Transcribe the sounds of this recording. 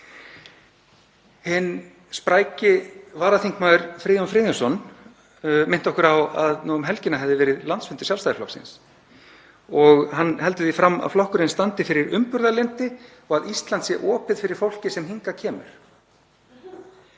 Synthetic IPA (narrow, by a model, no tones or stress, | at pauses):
hɪnː | spɾaːjcɪvaːɾaθiŋkmaːðʏɾfɾiːðɔnfɾiːðɪsɔn | mɪn̥t̪ɔhkʏɾawaðnɔːɣʏmɦɛlcɪnaɦɛvðɪvɛːɾɪðlant̪sfʏnt̪ɪ̥jalst̪ajðɪflɔ̰hksɪ̰ns | ɔɣhanːhɛlt̪ʏðifɾamːa̰ðflɔhkʏɾɪnst̪ant̪ɪfɪɾɪɾʏmpʏɾðalɪn̥t̪ɪ | ɔɣaðist̪lant̪sjɛʔɔːpɪðfɪɾɪɾ̥fowl̥cɪsɛmɦiŋkacʰɛːmʏ̰ɾ̥